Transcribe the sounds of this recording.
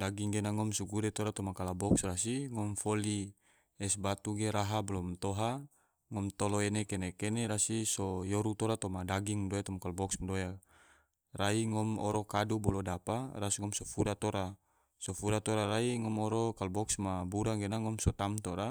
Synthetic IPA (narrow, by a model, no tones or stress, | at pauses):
daɡiŋɡenaŋɔmsuɡuɾɛt̪ɔɾat̪ɔmakalabɔksrasiŋɔmfɔli | ɛsbat̪uɡeɾaɦablɔmt̪ɔɦa | ŋɔmt̪ɔlɔenekenekeneɾasisɔjɔɾut̪ɔɾat̪ɔmadaɡiŋdojat̪ɔmakalbɔksmdoja | raiŋɔmɔ̰ɾɔkadubɔlɔdaparasiŋɔmsɔfuɾat̪oɾa | sɔfuɾat̪ɔɾaɾaiŋɔmɔɾɔkalbɔksmabuɾaŋɡenaŋɔmsɔt̪amt̪ɔɾa